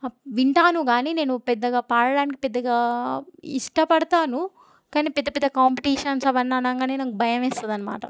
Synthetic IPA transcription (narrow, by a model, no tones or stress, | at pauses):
ʋiɳʈaːnuɡaːniːne̞ːnupɛd̪ːɐɡaːpaːɽɐɽaːnik̬ipɛd̪ːɐɡaː | ḭʂʈɐpɐɽɐt̪aːnu | kaːniːpɛd̪ːɐpɛd̪ːɐkaːmpiʈiːʂɐnsɐʋɐnːaːnaːŋkaːneːnɐkubʱɐjɐmɛːst̪ɐd̪ɐnːɐma̰ːʈɐ̰